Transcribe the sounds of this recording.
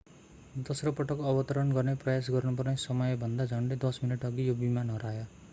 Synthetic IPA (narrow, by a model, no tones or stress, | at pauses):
d̪ʌsrʌpʌʈʌkʌbʌt̪ʌɾʌnɡʌrneprʌjas̬ɡʌrnupʌrnesʌmʌjbʱʌnd̪ad͡zʱʌɳɖed̪ʌsminʌʈʌɡijobimanɦʌɾajʌ